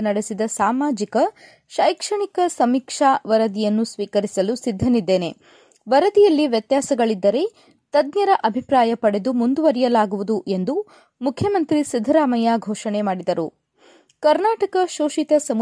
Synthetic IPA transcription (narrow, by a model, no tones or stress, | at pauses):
nɐɽesid̪ɐsaːmaːd͡ʒikɐ | ʃɐjkʂɐɳikɐsɐmiːkʂaːʋɐɾɐd̪ijɐnːusʋiːkɐɾisɐlusid̪ʱːɐnid̪ːeːne̞ | ʋɐɾɐd̪ijɐlːiʋjɐt̪jaːsɐɡɐɭid̪ːɐɾe̞ | t̪ɐd̪njɐɾɐʔɐbʱipɾaːjɐpɐɽe̞d̪umund̪uʋɐɾijɐlaːɡuʋud̪uʔe̞nd̪u | mukʰːjɐmɐnt̪ɾisid̪ʱːɐɾaːmɐjaɡʱɔːʂɐɳemaːɽid̪ɐɾu | kɐɾnaːʈɐkɐʃoːʃit̪ɐsɐm